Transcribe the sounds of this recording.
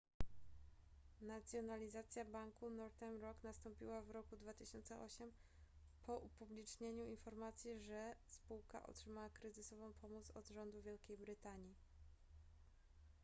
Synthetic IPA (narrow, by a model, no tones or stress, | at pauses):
nat̪sʲjɔnalʲizat̪sʲjabaŋkunɔɾt̪ɛmɾɔknast̪ɔmpʲiwavɾɔkud̪vat̪ɘɕɔnt̪sɛʔɔɕɛm | pʰɔʔupublʲit͡ʂɲeɲuinfɔɾmat̪sʲjɛʐɛspuwka̰ʔɔ̰tʂɘmawakɾɘzɘsɔvɔ̃w̃pʰɔmut̪sɔd̪ʐɔnd̪uvʲjɛlkʲejbɾɘt̪aɲi